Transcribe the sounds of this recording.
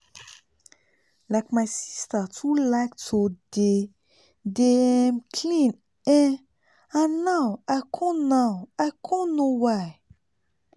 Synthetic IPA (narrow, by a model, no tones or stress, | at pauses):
lajkmajsistətʰulaktʰode | deɛmkʰlĩn | ɛ̃ | ãnãwakʰɔ̃nãwakʰɔ̃nõwaj